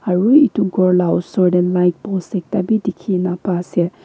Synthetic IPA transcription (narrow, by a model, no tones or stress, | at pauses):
aɹuituɡɔɹlawsɔɹdɛnlajk̚bɔsɛk̚tabidikʰinapasɛ